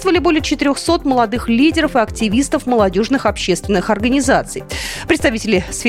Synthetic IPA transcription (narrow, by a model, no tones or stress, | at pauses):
t̪əvəlʲɪbolʲɪjət͡ɕɪt̪ɪɾʲoxso̞t̪məlˠɐd̪ɨxlʲidʲɪɾəfɨɐktʲɪvʲist̪əfməlˠɐdʲo̞ʐnɨxɐpɕːe̞st̪vʲɪnːɨxɐrɡənʲɪzat̪sɨjpɾʲɪt̪st̪ɐvʲitʲɪlʲɪsfʲ